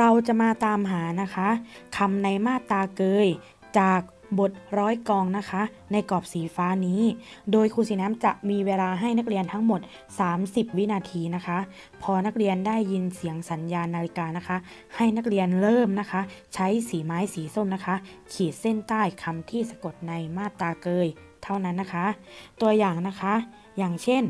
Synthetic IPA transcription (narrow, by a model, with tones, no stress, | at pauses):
ɾa˧wt͡ɕa˨˩ʔmaː˧t̪aː˧mɦaː˩˦na˦˥kʰa˦˥ʔkʰa˧mna˧jmaː˥˩t̪aː˧kɤː˧j | t͡ɕaː˨˩k̚ | bo˨˩t̪̚ɾɔː˦˥jkɔː˧ŋna˦˥kʰa˦˥ʔ | na˧jkɔː˨˩p̚siː˩˦faː˦˥niː˦˥doː˧jkʰuː˧˩siː˨˩˦naː˦˥mt͡ɕa˨˩ʔmiː˧weː˧laː˧ɦa˥˩jna˦˥k̚ɾi˧ənt̪ʰa˦˥ŋmo˨˩t̪̚ | saː˩˦msi˨˩p̚wi˦˥naː˧t̪ʰiː˧na˦˥kʰa˦˥ʔ | pʰɔː˧na˦˥k̚ɾi˧ənda˥˩jːi˧nsi˩˦əŋsa˩˦njaː˧nːaː˧li˧kaː˧na˦˥kʰa˦˥ʔ | ha˥˩jna˦˥k̚ɾi˧ənɾɤː˥˩mna˦˥kʰa˦˥t͡ɕʰa˦˥jsiː˩˦maː˦˥jsiː˩˦so˥˩mna˦˥kʰa˦˥ | kʰiː˨˩t̪̚se˥˩nt̪aː˥˩jkʰa˧mt̪ʰiː˥˩sa˧ko˨˩t̪̚na˧jmaː˥˩t̪ːaː˧kɤː˧j | t̪ʰa˥˩wna˦˥nːa˦˥kʰa˦˥ʔt̪u˧ɐjaː˨˩ŋna˦˥kʰa˦˥ | jaː˨˩ŋt͡ɕʰe˥˩n